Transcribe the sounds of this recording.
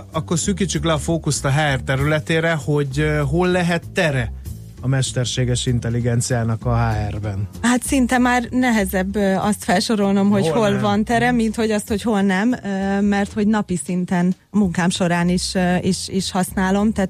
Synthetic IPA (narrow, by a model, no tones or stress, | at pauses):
ɒkːo̞rsyːkit͡ʃːyklɛɒfoːkust̪ɒɦaːɛrt̪ɛɾylɛt̪eːɾɛho̞ɟɦolːɛɦɛt̪ːɛɾɛ | ɒmɛʃt̪ɛrʃeːɡɛʃint̪ɛlːiɡɛnt̪sijaːnɒkɒɦaːɛrbɛnhat̪sint̪ɛmaːrnɛɦɛzɛbːɒst̪fɛlʃo̞ɾo̞lno̞mho̞ho̞lvɒnt̪ɛɾɛmint̪ho̞ɟɒst̪ho̞cho̞lnɛmːɛrt̪ho̞ɟnɒpisint̪ɛnɒmuŋkaːmʃo̞ɾaːniʃiʃiʃhɒsnaːlo̞mt̪aː